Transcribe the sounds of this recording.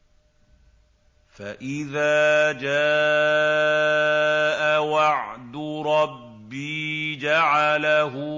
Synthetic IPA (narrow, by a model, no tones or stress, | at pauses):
faʔɪðaːd͡ʒaː | ʔawaʕd̪ʊɾˤɑbː | iːd͡ʒaʕalaɦʊ